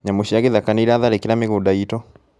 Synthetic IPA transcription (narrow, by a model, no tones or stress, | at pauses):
ɲamoɕiaɣeðakaneiɾaːðaɾekeɾameɣoːdaitɔ